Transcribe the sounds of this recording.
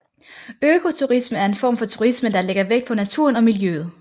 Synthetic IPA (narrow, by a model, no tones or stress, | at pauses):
økʰo̝t͡sʰuʁisməæɐe̝nfɒ̰ːmfɒ̽t͡sʰuʁisməd̥ɑ̈leɡ̥ɐʋeɡ̥̚pʰɒ̽næt͡sʰṵɐnɒ̽miljøð̞̩ˠ